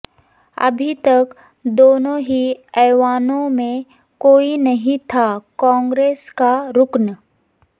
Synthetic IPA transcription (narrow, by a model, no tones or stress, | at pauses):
ɐ̰bʱit̪ɐk | d̪oːnõɦiɛːʋaːnõmẽ | koːinɐɦĩt̪ʰakãːŋɡɾeːskaɾʊkn